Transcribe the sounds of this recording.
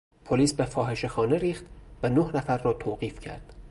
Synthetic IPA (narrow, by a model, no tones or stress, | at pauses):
pʰoliːsbefɒːɦe̞ʃe̞xɒːne̞ɾiːxt̪vænohnæfæɾːɒːt̪ʰoːɢiːfcʰæ̰ɾd̪̥